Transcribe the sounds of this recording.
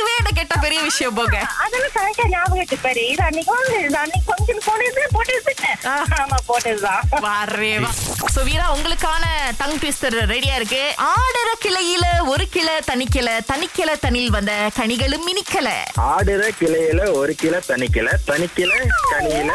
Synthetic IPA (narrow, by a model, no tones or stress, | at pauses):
ɯʋeːnɐk̬eːʈːɐːpɛɾɪjɐʋɪʂɐjɐ̃mpoːɡɐɐðɐlãkɐnɐkːɐɲaːʋɐɣɐʈ̪ːɯpɐɾit̪ɐnːɪkõd̪ɐnːɪpɐŋd͡ʒɪnpoːnesɯɐpoːʈɐɾsɪnːɛaːaːmapoːʈːɐɾðãːʋaːɾeaːsʊʋiːɾaːʊŋɡɐɭɯkːaːnɐt̪ɐŋʈʋɪsʈɐɾɾɛɽɪjaːɪɾɯkːɯʔaːɽɐɾɐkɪlɐjɪlɔɾɯkɪɭɐt̪ɐɳɪkːɪlɐt̪ɐnɪkːɪlɐt̪ɐɳɪlʋɐnd̪ɐkɐɳɪɣɐɭɯmːɪnɪkːɐlɐ̰aːɽɐɾɐkɪlɐjɪlɐɔɾɯkɪlɐt̪ɐnɪkːɪlɐt̪ɐɳɪkːɪlɐkɐɳɪjɪl